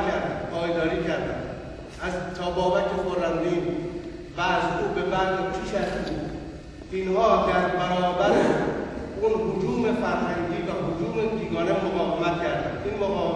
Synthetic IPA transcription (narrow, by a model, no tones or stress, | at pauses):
kʰæɾd̪ænpʰɒːjd̪ɒːɾiːcʰæɾd̪æ̰n | æzt̪ʰɒːbɒːbækʰːexoɾænd̪iːn | væzuːbebæɾd̪it͡ʃʰiʃæst̪buːd̪ | inhɒːd̪æɾbæɾɒːbæɾæ | unhʊd͡ʒuːmefæɾɦæŋɟʲiːvæɦod͡ʒuːmed̪iːɡɒːnemoɣɒːvemæt̪cʰæɾd̪ænʔinmoɣɒː